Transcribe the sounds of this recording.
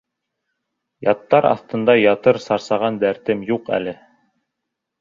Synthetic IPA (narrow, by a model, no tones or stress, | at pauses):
jɑt̪ːɑɾɑ̰θt̪ɤ̆nd̪ɑjɑt̪ɤɾsɑɾsɑʁɑnd̪æɾt̪ɘmjuqæ̰lɘ